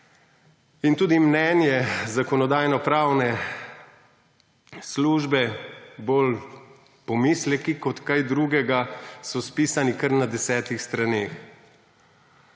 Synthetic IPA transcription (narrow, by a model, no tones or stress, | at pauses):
int̪uːd̪imnɛːnjɛzakɔnɔd̪aːjnɔpɾaːwnɛ | sluːʒbɛboːl | pɔmiːslɛkikɔt̪kajd̪ɾuːɡɛɡasɔspiːsanikəɾnad̪ɛsɛːt̪ixst̪ɾaneːx